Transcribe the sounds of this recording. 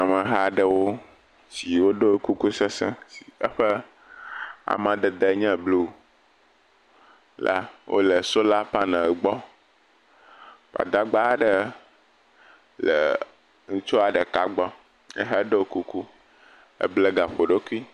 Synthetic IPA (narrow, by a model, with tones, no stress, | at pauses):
a˨mə̃˨ɦa˦ɖə˦wo˦ | si˨wo˦ɖo˦o˦ku˦ku˦sɛ˦sɛ̃˦si̥˨ə˦ɸə˦ | a̰˨mã˨d̪ə˨d̪ə˦ɲɛ̃˦˨blu˦˨ | la̰˦wʔo̰˦lə˨so˦la˦pa˦nã˨ɡ͡bɔ˦ | ɸa̰˨d̪a˦ɡ͡ba˦ɖə˨ | lə̰˨ | ŋũ˦t͡ʃo˦a˨ɖə˨ka˨ɡ͡bɔ˦ | ɛ̰˦ɦa˦ɖə˦wo˦ku˦ku˦ | ə̰˦blə˦ɡa˨ɸo˨ɖe˦ku˦i˦